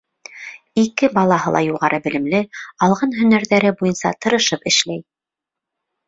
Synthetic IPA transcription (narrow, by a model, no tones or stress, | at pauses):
ikɘbɑlˠɑɦɤlˠɑ̰juʁɑɾʔɤbɘ̆lɘ̆mlɘɑlˠʁɑnɦɵ̆næɾðæɾɘbujɤnsɑ̰t̪ɤ̆ɾɤ̆ʃɤpɘ̆ʃlæj